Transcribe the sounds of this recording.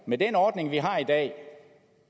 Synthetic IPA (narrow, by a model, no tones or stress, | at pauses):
medenɒːd̥ne̝ŋʋiɦɑ̈id̥ɛ̰ː